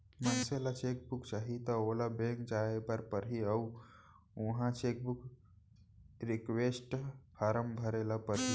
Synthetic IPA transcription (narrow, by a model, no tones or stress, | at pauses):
mənselat͡ʃek̚bukt͡ʃaɦit̪ɔolabẽŋkd͡ʒaepəɾpəɾiəw | uɦãt͡ʃek̚buk | ɾikʋesʈpʰaɾəmbʱəɾelapəɾɦi